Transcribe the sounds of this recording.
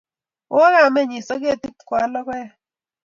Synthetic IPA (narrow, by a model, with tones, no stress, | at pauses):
o˦ɣa˦˨mɛ˦˨ɲi˨sɔ˦k̬e˦˨ti˦pkwa˨˦lɔ˦kwɛ˦